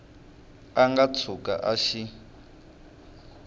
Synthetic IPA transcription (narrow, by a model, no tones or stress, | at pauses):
aŋɡat͡sʰuka̰ʔaʃi